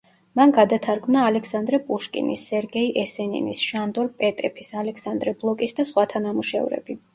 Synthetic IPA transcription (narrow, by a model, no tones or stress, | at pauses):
manɡad̪at̪ʰaɾɡmnaːlɛkʰsand̪ɾɛpʼuʃkʼḭnḭsːɛɾɡɛiʔɛsɛnḭnḭsʃand̪ɔɾpʼɛt̪ʼɛpʰisalɛkʰsand̪ɾɛblˠɔkʼisd̪asχwat̪ʰanamuʃɛ̰vɾɛ̰bi